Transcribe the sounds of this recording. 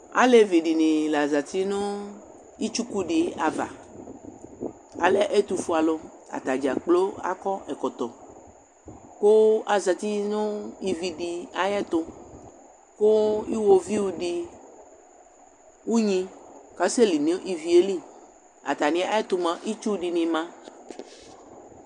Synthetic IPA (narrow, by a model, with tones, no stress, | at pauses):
a̰˦le˦vi˨ɖi˨nĩ˨la˨za˨t̪i˦nõ˦ | i˦t͡ʃu˦ku˦ɖi˨a˨va̰˨ | a̰˨le˦ʔe˦t̪u˨fu˨˦a˨lo˦ | a̰˨t̪a˨d͡ʒa̰˨k͡plo˦a̰˦kɔ˦ɛ˨kɔ˨t̪ɔ˨ | ko˦a˨za˨t̪i˦nõ˦i˦vi˨ɖi˨a˦jɛ˦t̪o˦ | ko˦i˦wo˨vi˦wu˦ɖi˨ | wu˦ɲĩ˦ka˦se˦li˨nẽ˦ʔi˦vi˨e˦li˦ | a̰˨t̪a˨nĩ˦a˦ɛ˦t̪o˨mã˦ʔi˦t͡ʃu˦ɖi˨nĩ˨mã˦